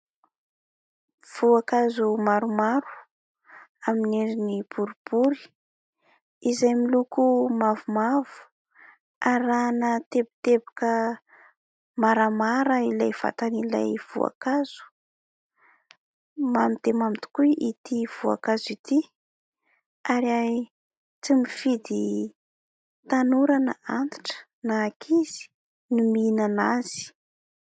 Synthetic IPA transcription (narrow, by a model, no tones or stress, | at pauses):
v̥uakazumaɾumaɾu̥ | amineɾinib̥uɾib̥uɾi̥ | izajmilukumavumavu̥ | aɾanət̪ebi̥t̪ebḁkə | maɾamaɾəilajv̥a̰t̪anila̰jv̥ṵa̰kaz̥u̥ | mamid̪emamit̪u̥kuiit̪iv̥ua̰kazit̪i | aɾa | t͡simifid̪i | t̪anuɾanə̰ant̪i̥ʈ͡ʂə̥ | naːkʰiz̥i̥ | numinanaz̥i̥